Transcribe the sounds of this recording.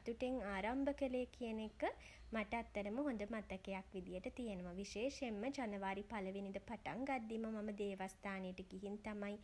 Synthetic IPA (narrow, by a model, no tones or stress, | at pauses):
t̪uʈeŋaːɾambəkəleːkʰijənekːə | maʈɐːt̪ːɐɾəməɦond̪əmat̪ɐkejakʋid̪ijəʈət̪ijənuʋaʋiʃeːʃemːəd͡ʒanəʋaːɾipaləʋinid̪əpaʈa̰ŋɡad̪ːimɐmaməd̪eːʋast̪aːnejəʈəɡiɦint̪amaj